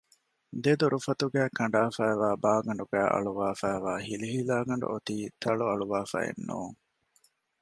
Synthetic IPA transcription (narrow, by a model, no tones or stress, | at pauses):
d̪ed̪uɾufɐt̪uɡæːkʰɐɳɖaːfæːʋaːbaːɡɐɳɖuɡæːʔɐ̰ɭuʋaːfæːʋaːhiliɦilaːɡɐɳɖṵʔot̪iːt̪ʰɐɭuɐɭuʋaːfæ̰ḛnːṵːŋ